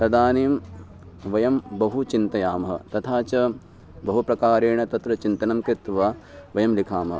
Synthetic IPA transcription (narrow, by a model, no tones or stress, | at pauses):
t̪ɐd̪aːniːm | ʋɐjɐmbɐɦut͡ʃint̪ɐjaːmɐɦɐ̰t̪ɐt̪ʰaːt͡ʃɐ | bɐɦupɾɐkaːɾeːɳɐt̪ɐt̪ɾɐt͡ʃint̪ɐnɐmkɾit̪ʋaːʋɐjɐmlikʰaːmɐɦɐ̰